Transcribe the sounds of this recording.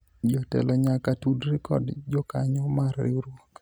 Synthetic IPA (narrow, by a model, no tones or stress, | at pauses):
d͡ʒɔtɛ̰lɔɲakatudɾɪkɔ̰dd͡ʒɔkaɲɔmarɾɪ̰ɾwok